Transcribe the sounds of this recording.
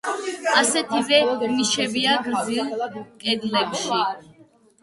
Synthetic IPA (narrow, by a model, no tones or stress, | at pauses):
asɛt̪ʰivɛmiʃɛbiaɡɾzilkʼɛd̪lɛbʃa